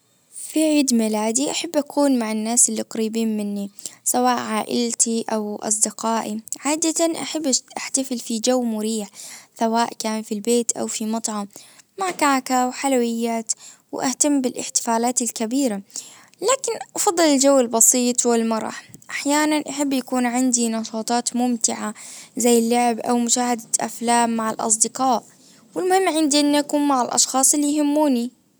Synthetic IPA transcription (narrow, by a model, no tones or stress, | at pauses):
fiʕiːd̪mɪlaːd̪iʔaħabːʔakʰuːnmaʕɪnːaːsɪlːiqɑɾiːbiːnmɪnːisawaːʔʕaːʔɪ̰lt̪iʔawʔɑ̰s̬ˤd̪ɪqɑːʔiʕaːd̪at̪anʔa̰ħabːʔaħt̪afɪlfid͡ʒawːmʊɾiːħsawaːʔkaːnfilbeːt̪ʔa̰wfimɑt̪ˤʕɑmːaʕkaʕkawħalawɪjːaːt̪wʔaht̪amːbɪlʔɪ̰ħt̪ɪ̥faːlaːt̪ɪlkabiːɾa | laːkɪnʔɑfɑd̪ˤːɨlɪld͡ʒawːɪlbɑsˤiːt̪ˤwɪlmɑɾˤɑ̰ħʔaħjaːnanʔaħabːjakuːnʕɪnd̪inɑʃɑːt̪ˤɑːt̪mʊmt̪ɪʕazajːɪlːʊʕɪbʔa̰wmʊʃaːhad̪aʔa̰flaːmːaʕɪlʔɑ̰s̬ˤd̪ɪqɑːʔ | wɪlmʊhɪmːʕɪnd̪iʔɪnːʔakuːnmaʕɪlʔɑ̰ʃxɑːsˤɪlːijhɪmːuːni